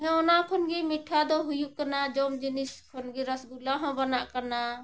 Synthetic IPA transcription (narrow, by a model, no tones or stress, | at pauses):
ɦɛ̃ɔnakʰɔnɡimiʈʰad̪ɔɦujukənad͡ʒɔmd͡ʒiniskʰonɡiɾəsɡulaɦɔ̃bənaʔkəna